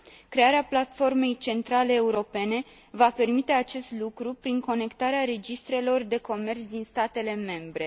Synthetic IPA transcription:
kɾe̞aɾeaplat̪fo̞rme̞jt͡ʃe̞nt̪ɾale̞ːuɾo̞pe̞ne̞ | vape̞rmit̪e̞at͡ʃe̞st̪lukɾupɾiŋko̞ne̞kt̪aɾeaɾe̞d͡ʒist̪ɾe̞lo̞rd̪e̞ko̞me̞rt̪sʲd̪inst̪at̪e̞le̞me̞mbɾe̞

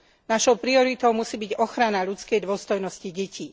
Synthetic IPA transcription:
naʃɔʊpɾiɔɾit̪ɔʊmusiːbiɟɔxɾanaʎut͡skɛjd̪ʊɔst̪ɔjnɔsciɟɛcʰiː

